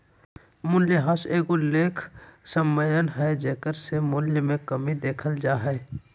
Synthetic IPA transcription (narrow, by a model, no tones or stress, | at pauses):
mʊnjəɦaseːɡʊleːkʰsəmːəjənɦɛd͡ʒeːkəɾsemʊljəmẽkəmid̪eːkʰəld͡ʒaːɦɛː